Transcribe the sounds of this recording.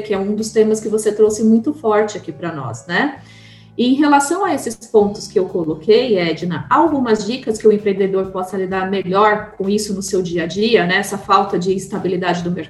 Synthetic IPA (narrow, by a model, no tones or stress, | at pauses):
kɪɛũd̪ʊst̪ẽmɐskɪvoset̪ɾosɪmũj̃t̪ʊfɔɾt͡ʃɪakipɾɐnɔ̰snɛ | ɪẽj̃ɦelasɐ̃w̃ɐesɪspõnt̪ʊ̥skɪewkolokejɛd͡ʒɪnɐaawɡũmɐzd͡ʒikɐskɪʊẽpɾẽnd̪ed̪oɾpɔsɐlid̪aɾmeʎɔɾkõisʊnʊsewd͡ʒiɐd͡ʒiɐnɛɛsɐfawt̪ɐd͡ʒɪːst̪abilid̪ad͡ʒɪd̪ʊmeɾ